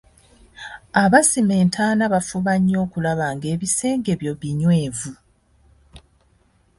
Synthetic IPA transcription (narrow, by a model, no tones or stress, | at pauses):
aβasime̞ːntʰaːnaβafuβaɲːo̞ːkulaβaːŋɡe̞ːβise̞ːŋɡe̞βjoβiɲwe̞ːvu